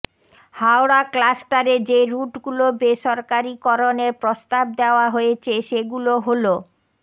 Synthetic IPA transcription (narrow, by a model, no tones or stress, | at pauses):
hawɽaklasʈaɾed͡ʑeɾuʈɡulobeʃɔɾkaɾikɔɾoneɾpɾost̪ab̚d̪eoaɦoet͡ɕʰeʃeɡuloɦolo